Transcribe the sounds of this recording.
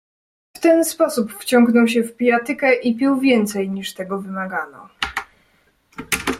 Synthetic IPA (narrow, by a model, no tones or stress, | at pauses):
ft̪ɛnspɔsupft͡ɕɔŋɡnɔwɕ̬ɛfpʲijat̪ɘkɛʔipʲiwvʲjɛnt̪sɛjɲiʂt̪ɛɡɔvɘmaɡanɔ̰